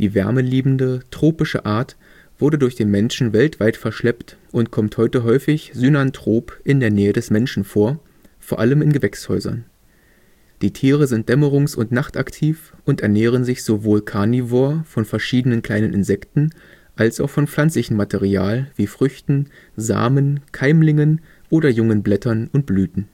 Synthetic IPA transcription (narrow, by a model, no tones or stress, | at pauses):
d̥iːvɛ̰ɐməliːbm̩dətʁ̥oːpɪʃə̰ʔaːɐt | v̥ʊɐdədʊɐçd̥eːnmɛnʃn̩vɛltv̥aɪtfɛɐʃlɛptʔʊntkʰɔmthɔʏtəɦɔʏfɪçzynantʁ̥oːpʔɪndeːɐnɛːədɛsmɛnʃn̩foːɐ | foːɐʔaləmɪnɡəvɛkshɔ̰ʏzɐ̰n | d̥iːtʰiːʁ̞əzɪnt̚d̥ɛməʁ̞ʊŋsʊ̰ntnaχtaktʰiːfʔʊntɛɐnɛːʁ̞ənzɪçz̥ovoːlkʰaɐnivoɐfɔnfɛɐʃiːdənənkʰl̥aɪnənʔɪ̰nzɛktn̩ | ʔalsaʊxfɔnflant͡slɪçn̩matʰeʁia̰ːlviːfʁ̥ʏçtn̩ | za̰ːmənkʰaɪmlɪŋən | ʔoːɾɐjʊŋənblɛtɐnʊnt̚b̥lyːtn̩